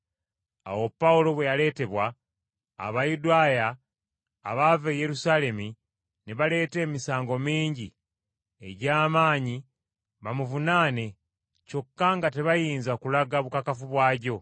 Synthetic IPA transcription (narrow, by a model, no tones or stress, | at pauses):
a̰wo̞pːaulo̞βwe̞jale̞ːte̞βwa̰ː | βajudajaː | βave̞je̞ɾusale̞mi | neβale̞ːte̞ːmisaːŋɡo̞miːɲɟi | ḛɟaːmaːɲi | βamuvunaːne | co̞kːaŋɡate̞βajiːnzakulaɡaβukakafuβwaːɟo̞